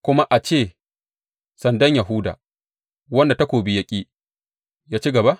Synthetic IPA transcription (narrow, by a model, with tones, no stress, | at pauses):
kʷʊ˦ma˦ʔa˨t͡ʃeː˦˨ | sɐ˨ndɐ˦ɲja˨ɦʊ˦da̰ː˨ | wɐ˦nda˨ta˦kʷoː˨bi˦jɐ˦kʲʼiː˦ | jaː˦t͡ʃi˦ɡɐ˨ba˦